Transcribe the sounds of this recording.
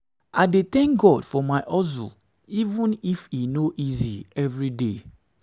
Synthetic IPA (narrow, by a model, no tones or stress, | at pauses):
aɪdet̪ɛ̃ŋk̚ɡɔdfɔmaɪʔɔzṵ | ivũnifinoʔiziɛvɹide